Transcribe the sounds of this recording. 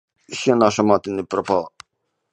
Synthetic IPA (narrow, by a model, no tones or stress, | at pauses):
ʃɛnaʃamat̪inipɾɔpalˠa